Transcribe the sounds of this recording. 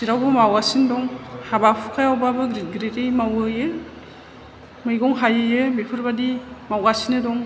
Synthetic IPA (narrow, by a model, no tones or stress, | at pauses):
siɾawbɯmawasindɔŋhabapʰukʰajawbabɯɡɾit̚ɡɾitejmawɯjɯ | mɯjɡɔŋɦajɯjɯbepʰɯɾbadimawɡasinɯdɔŋ